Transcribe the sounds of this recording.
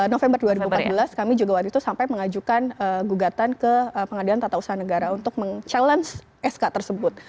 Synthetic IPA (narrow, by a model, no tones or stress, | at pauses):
nofɛmbərduaɾibumpat̪bəlaskamid͡ʒuɡawat̪it̪usampajməŋad͡ʒukanəɡuɡat̪ankəəpəŋadilant̪at̪ausaɦanəɡaɾaunt̪ʊk̚məŋt͡ʃaləns | ʔɛskat̪ərsəbʊt̪̚